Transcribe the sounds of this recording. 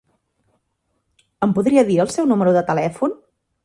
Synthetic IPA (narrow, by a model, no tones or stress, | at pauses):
əmpuðɾiəðiəlˠsɛwnuməɾuðət̪əlɛfun